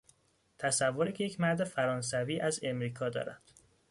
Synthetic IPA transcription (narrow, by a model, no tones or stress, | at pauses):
t̪ʰæsævːoɾiːcʰejecʰmæɾd̪efæɾɒːns̬æviːʔæze̞mɾiːkʰɒːd̪ɒ̰ːɾæ̰nd̪̥